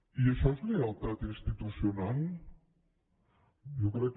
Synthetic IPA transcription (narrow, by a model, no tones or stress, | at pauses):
iəʃɔzlealˠt̪at̪inst̪it̪usional | jokɾɛkː